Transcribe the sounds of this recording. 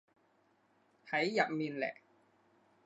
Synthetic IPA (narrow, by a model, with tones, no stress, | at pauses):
ha˨˦jːa˨˩p̚mi˧nlɛ̰˨˩ʔ